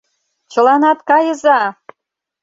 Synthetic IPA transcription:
t͡ɕə̆lɑnɑt̪kɑjə̆zɑ

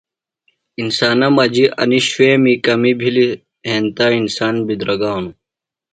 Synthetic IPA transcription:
insaːnɐmɐd͡ʑiʔɐ̰niɕweːmikɐmibʱili | ɦẽːnt̪ainsaːnbid̪ɾɐɡaːwnu

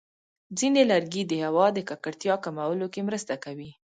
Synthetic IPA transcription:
d͡zinelaɾɡid̪əhawɑd̪əkakaɾt̪jɑkamawəlokemɾəst̪akawi

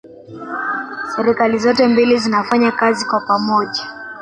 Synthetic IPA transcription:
sɛɾikalizɔtɛmbilizinafaɲakazikwapamɔʄa

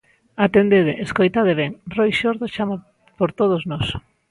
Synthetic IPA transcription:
at̪end̪eðeʔeskojt̪aðeβɛŋrojʃoɾðot͡ʃama | poɾt̪oð̞oznɔs

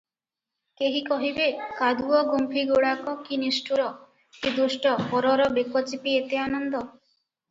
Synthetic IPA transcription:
keɦikɔɦibekad̪uɔɡompʰiɡoɽakɔkiniʃʈʰuɾɔ | kid̪uʃʈɔpɔɾɔɾɔbekwɔt͡ʃipiet̪eanɔnd̪ɔ

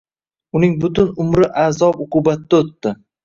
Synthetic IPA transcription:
ʊnɪŋbʊt̪ʰʊnʊmɾɪʔaːzɒpʊqʊbat̪ɪd̪aot̪ːɪ

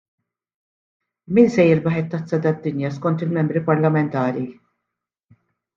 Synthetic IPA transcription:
miːnsɛjɪlbɐħɛt̪ːɐt͡sːɐd̪ɐd̪ːɪnjɐskɔnt̪ɪlmɛmbɾipɐɾlɐmɛnt̪ɐːɾi

